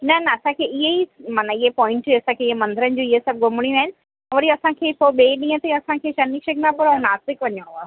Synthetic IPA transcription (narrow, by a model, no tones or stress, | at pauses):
nɐnɐɐsãkʰeɪɦeimaːnɐɪɦepɔ̃ːɪ̃ɳʈd͡ʑɐsãkʰeɪɦemɐ̃nd̪ɪɾənɪ̆d͡ʑũɪɦesɐb̚ɡʊmɪɽ̃ijũaːɦɪnɪ̆ | ɛ̃ʋɐɾiɐsãkʰeːpoɓeːɗĩːə̃t̪eɐsãkʰeːʃɐniʃɐknapʊɾãnaːst̪ɪkʋɐɲõɦaː